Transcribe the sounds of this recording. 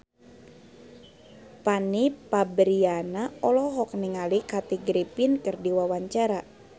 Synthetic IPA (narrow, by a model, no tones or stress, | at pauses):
panipabɾianaɔlɔɦɔk̚niŋalikat̪iɡɾipinkɨrdiwawaɲt͡ʃaɾa